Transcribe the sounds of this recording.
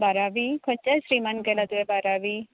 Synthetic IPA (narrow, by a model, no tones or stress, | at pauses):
baɾaʋikʰɔt͡ʃasɾimankelat̪uʋebaɾaʋi